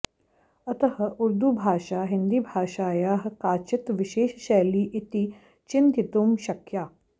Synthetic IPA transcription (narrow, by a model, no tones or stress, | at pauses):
ɐt̪ɐɦɐ̆ʔuɾd̪ubʱaːʃaːɦɪnd̪iːbʱaːʃaːjaːɦɐkaːt͡ʃɪt̪ʋɪʃeːʃʃɛːliːʔit̪iː | t͡ʃɪnt̪ɪt̪umʃɐkjaː